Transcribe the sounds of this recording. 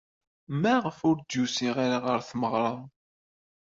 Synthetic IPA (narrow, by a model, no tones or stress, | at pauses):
mæʁəfʊɾd̪jusiʁaɾaʁəɾθməʁɾˤɑ